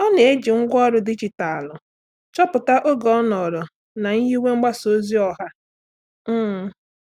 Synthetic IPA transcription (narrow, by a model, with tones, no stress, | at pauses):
ɔ˦ne˨e˦d͡ʒi˨ŋ̩˦ɡʷɔ˦ɾʊ˦dɪ˦d͡ʒi˨ta˨lʊ˨ | t͡ʃɔ˦pʊ˨ta˦ʔo˦ɡɔ˨˦ɔ˦nɔ˨ɾʊ˨ | na˨ɲ̩˦ɦi˦we˦ŋ͡m̩˦ɡ͡ba˦so˨˦zi˦ɔ˨ɦa˦˨